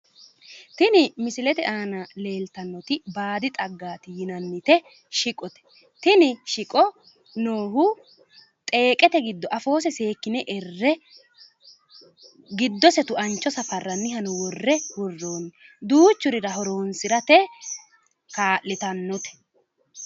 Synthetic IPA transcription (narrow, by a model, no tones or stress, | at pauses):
t̪ɪnɪmɪsɪlɛt̪ɛʔaːnɐle̞ːlt̪ɐnːɔt̪ɪbaːd̪ɪt̪ʼɐɡːaːt̪ɪjɪnɐnːɪt̪ɛ | ʃɪkʼɔt̪ɛ̥ | t̪ɪnɪʃɪkʼɔ | no̞ːɦʊ | t̪ʼe̞ːkʼɛt̪ɛɡɪd̪ːɔʔɐfo̞ːs̬ɛse̞ːkːɪnɛʔɛrːɛ | ɡɪd̪ːɔsɛt̪ʊʔɐnt͡ʃːɔsɐfɐrːɐnːɪɦɐnʊwɔrːɛwɔrːoːnːd̪uːt͡ʃːʊɾɪɾɐɦɔɾo̞ːnsɪɾɐt̪ɛ | kaːlːɪt̪ɐnːɔt̪ɛ̥